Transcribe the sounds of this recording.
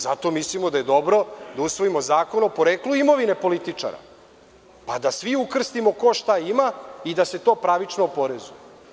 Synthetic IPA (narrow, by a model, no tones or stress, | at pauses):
zat̪o̞mislimod̪aje̞d̪o̞bɾo̞d̪ausʋo̞imo̞zaːko̞nopoɾeːkluimo̞ʋine̞po̞lit̪it͡ʂa̰ɾa̰ | pad̪asʋiukr̩st̪imo̞ko̞ʃt̪aimaid̪ase̞t̪o̞ːpɾaʋit͡ʂnopo̞ɾezuje